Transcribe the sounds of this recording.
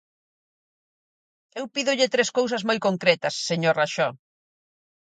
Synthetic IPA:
ewpiðʊʎɪt̪ɾeskows̬ɐzmojkoŋkɾɛt̪ɐsːeɲoɾraʃɔ

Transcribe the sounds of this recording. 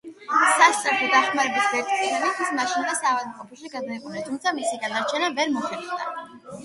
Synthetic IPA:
sast̪ʼɛɾt̪ʰɔd̪aχmaɾɛbisvɛɾt̪sʰʼiɛbit̪ʰismaʃind̪asaːvad̪mqʼɔpʰuʃiɡad̪aiqʼɔnɛnt̪ʰumt̪sʰamisiɡanaɾt͡ʃʰɛnavɛɾmɔχɛd̪d̪a̰

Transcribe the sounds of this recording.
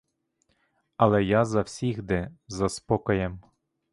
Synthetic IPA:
ɐlˠɛjazɐwsʲiɣd̪ɛzɐspɔkɔjɛm

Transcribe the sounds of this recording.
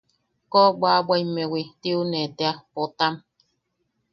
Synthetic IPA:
kobʷabʷajmewit̪iunet̪eapot̪am

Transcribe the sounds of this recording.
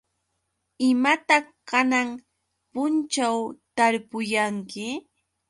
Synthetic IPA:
ɪmat̪akanaŋ | pʊnt͡ʃawt̪aɾpʊjaŋkɪ

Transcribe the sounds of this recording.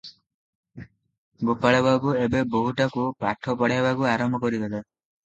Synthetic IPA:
ɡopaɭebakuebebɔɦuʈakupa̰ʈʰɔpɔɽabakuaɾɔmbʱɔkɔɾid̪ela

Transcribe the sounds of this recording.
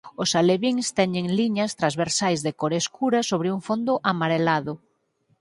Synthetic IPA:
ʊsaleβiŋst̪ɛɲeŋliɲast̪ɾazβeɾsajzðekoɾeskuɾasoβ̞ɾɪuŋfond̪ʊʔamaɾelaðʊ

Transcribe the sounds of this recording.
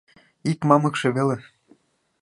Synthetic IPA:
ikmɑmɤ̆kʃĕβele

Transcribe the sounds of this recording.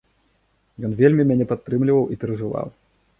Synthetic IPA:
jɔnvʲelʲmʲimʲanʲɛpat̪ːɾɨmlʲivɐwʔipʲɛɾɐʐɨva̰w

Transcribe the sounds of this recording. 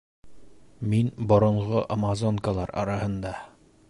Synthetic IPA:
minbŏɾɤ̆ɴˠʁoʔamazoŋkalˠɑɾɑ̰ɾɑhɤ̆nd̪ɑ

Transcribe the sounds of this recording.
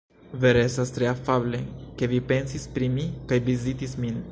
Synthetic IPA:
veɾesast̪ɾeafableke̞vipe̞nsispɾimikajvizit̪ismin

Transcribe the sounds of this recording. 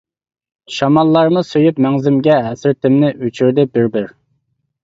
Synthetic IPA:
ʃɑmɑlˠːɑɾmɨsøjypmɛŋzɪmɡʲɛɦæsɪɾt̪ʰɪmnɪʔyt͡ʃʰyɾd̪ɪbɪɾbɪɾ

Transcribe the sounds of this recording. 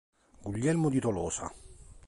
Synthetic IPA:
ɡuʎːɛlmod̪it̪olɔːsa̰

